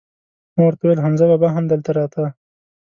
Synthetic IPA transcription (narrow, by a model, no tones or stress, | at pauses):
mawaɾt̪awejlɦanzababaɦamd̪əlt̪aɾɑt̪ʰa